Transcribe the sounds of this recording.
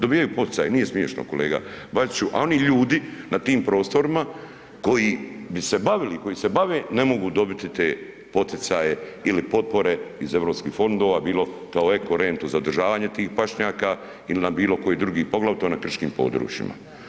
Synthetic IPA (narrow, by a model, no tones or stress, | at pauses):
d̪obiːjajupo̞t̪i̥tsaːjenije̞smje̞ʃno̰ko̞leːɡa̰bazit͡ʃuʔa̰o̞niʎuːd̪inat̪iːmpɾo̞ːst̪o̞ɾima | ko̞jibise̞baʋiliko̞jiːse̞baʋene̞mo̞ɡuːd̪o̞bit̪it̪eː | po̞t̪it̪saːjeilipo̞t̪̚po̞ɾe̞ize̞ʋɾo̞pskiːxfo̞nd̪o̞ːʋabiːlo̞ | kaoekoɾent̪uzaod̪rʒaːʋaːɲe̞t̪iːxpaʃɲaːka | ilinabiːlo̞ko̞jid̪ɾuɡiːpo̞ɡlaʋt̪onakr̩ʃkiːmpo̞̰d̪ɾṵːt͡ʃjḭma̰